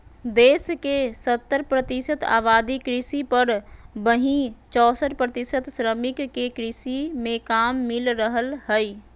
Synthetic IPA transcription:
d̪eːskesət̪ːəɾpɾət̪ɪsət̪a̰ːβaːd̪ikɾɪsipəɾbəɦĩt͡ʃɔːsəʈpɾət̪ɪsət̪sɾəmɪkːekɾɪsimẽkaːmːɪlɾəɦəlhə

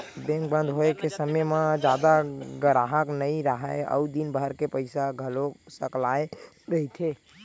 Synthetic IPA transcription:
bẽŋkbə̃nd̪ʱɦoekesəmejmad͡ʒad̪aɡəɾaɦəknəiɾəɦəə̰ud̪inbʱəɾkepəɪsaɡʱəlosəklae | ɾəɦit̪ʰe

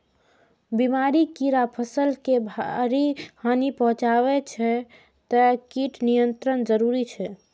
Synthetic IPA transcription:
bimaɾikiɾapʰəsəlkebʱaɾihanipəɦũt͡ʃaβɛt͡ʃʰɛ | t̪əkiʈnijənt̪ɾənd͡ʒəɾuɾit͡ʃʰɛ

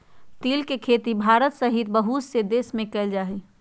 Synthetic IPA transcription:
t̪iːlkekʰet̪ibʱaɾət̪səɦit̪bəɦut̪sed̪esmẽkɛɪld͡ʒaːɦɛ

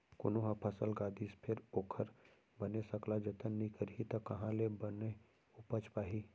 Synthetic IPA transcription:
kʊnoɦãpʰəsəlɡaːd̪ispʰɪɾoːkʰəɾ | bənesəklad͡ʒət̪ənːĩkəɾɦit̪ɐkɐɦãlebəne | ʊpət͡ʃpaːɦiː

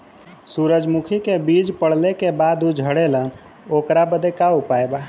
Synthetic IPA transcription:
suɾəd͡ʒmukʰikebid͡ʒpəɽ̤lekebad̪ud͡ʒʱəɽelən | okɾabəd̪ekaupaeba

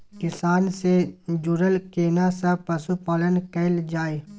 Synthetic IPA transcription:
kɪsaːnsed͡ʒʊɾəlkeːnasapɐsupaːlənkəɪld͡ʒaːe

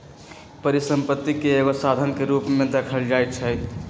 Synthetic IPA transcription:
pəɾisəmpət̪ːikeeɡosad̪ʱənkeɾupmẽd̪ekʰəld͡ʒajt̪̚t͡ʃʰəjt̪

